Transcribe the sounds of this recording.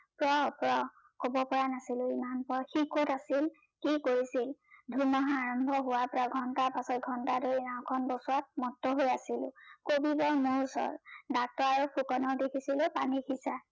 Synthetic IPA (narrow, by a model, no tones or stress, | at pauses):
pɹɔpɹɔ | kobɔpɔɹanasilʊimanpɔɹxikotasil | kikoɹisildʱunɔɦaːɹɔmbʱɔɦʊwapɔɹaɡʱɔntaɹpasɔt̚ɡʱɔntadojinaw̃kʰɔnbɔsuat̚mɔtːɔɦojasilʊ̰kobibɔɹmuɹsɔ̰ɹdak̚tɔɹaɹupʰukɔnɔɹdekʰisilʊpanixʰisa